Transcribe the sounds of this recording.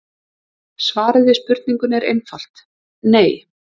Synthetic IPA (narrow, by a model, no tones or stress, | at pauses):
svaːɾɪðɪspʏɾt̪̚niŋkʏnɛɾḛjnfal̥t̪ | neːj